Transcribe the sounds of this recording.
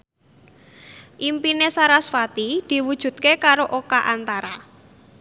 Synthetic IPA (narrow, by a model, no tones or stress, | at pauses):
ʔimpinesaɾasfat̪id̪̥i̤wud̥ʒ̥ṳt̪̚kekaɾoʔokaʔant̪aɾa